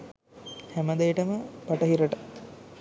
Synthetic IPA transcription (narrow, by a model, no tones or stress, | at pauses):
hæməd̪ejʈəməpɐʈɐɦiɾəʈɐ